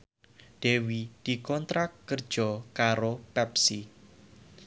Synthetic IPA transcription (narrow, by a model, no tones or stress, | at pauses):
d̪̥ewid̪̥i̤kɔnt̪ɾakːərd̥ʒ̥ɔ̤kaɾopɛpsi